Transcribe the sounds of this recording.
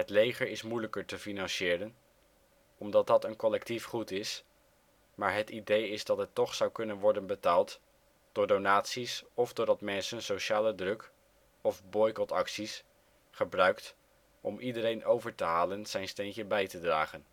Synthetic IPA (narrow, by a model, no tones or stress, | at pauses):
ɦətlejχəɹɪsmujləkəɹtəfinɑnsɪːɾən | ɔmdɑt̚dɑtənkɔlɛk̚tifχutɪs | maːɹɦətidejɪzdɑtɦətːɔχsɑwkɵnənʋɔɹdənbətaːlˠt | d̥ʊːɹdownaːtsisɔvdʊːɹdɑtmɛnsənsowʃaːlədrɵk | ɔvbɔjkɔtɑksis | χəbrœɥkt | ɔmʔidəɾejnʔowvəɹtəɦaːlənz̥ɛjnstejncəbɛjtədra̰ːχən